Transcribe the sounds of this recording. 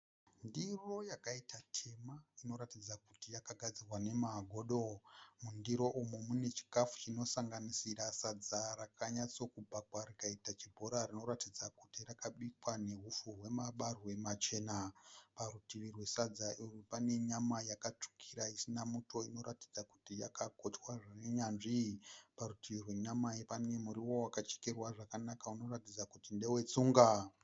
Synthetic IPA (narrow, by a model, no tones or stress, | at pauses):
ndiro̞jakaitʰatʰe̞maino̞ɾatid͡zakutijakaɡʱad͡zirwane̞maɡʱo̞ɗo̞mundiɾo̞ʔumumune̞t͡ʃi̥kafu̥t͡ʃino̞saŋɡanisiɾasad͡zarakaɲat͡so̞kubʱakwaɾikaitat͡ʃibʱo̞ɾarino̞ɾatid͡zakutirakaɓikwane̞ɦufuɦwe̞maɓarwe̞mat͡ʃe̞naparutiʋirwe̞sad͡zaʔirupane̞ɲamajakat͡ʂu̥kʰiɾaisinamutʰo̞ino̞ɾati̥d͡zaku̥tijakakotwaʐaneɲanʐipaɾutiʋirwe̞ɲamajepane̞muɾiwo̞wakat͡ʃe̥kerwaʐakanakauno̞ɾatid͡zakutinde̞we̞t͡suːŋɡa